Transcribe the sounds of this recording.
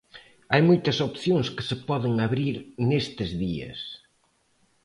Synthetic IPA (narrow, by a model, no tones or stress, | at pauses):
ajmojt̪ɐsopθjoŋskɪ̥sɪpɔðɪŋaβɾiɾnest̪ɪzðiɐ̰s